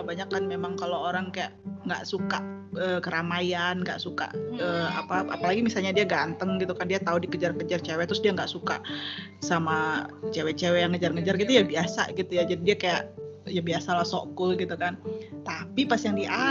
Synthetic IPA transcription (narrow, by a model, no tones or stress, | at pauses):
baɲakːanmemaŋkalooɾaŋkajaʔŋɡa̰ʔsukaʔəːkəɾamajanŋɡa̰ʔsuka̰ʔəːa̰paa̰palaɡimisalɲadiaɡant̪əŋɡit̪ukandiat̪audikəd͡ʒarkəd͡ʒart͡ʃewɛt̪ɾʊsdiaŋɡaʔsuka̰ʔ | samat͡ʃewɛt͡ʃewɛjaŋəd͡ʒarŋəd͡ʒarɡit̪ujabiasa̰ɡit̪ujad͡ʒadidiakaja̰ʔjabiasalaso̰kʊlɡit̪ukant̪apipasijaŋdiʔa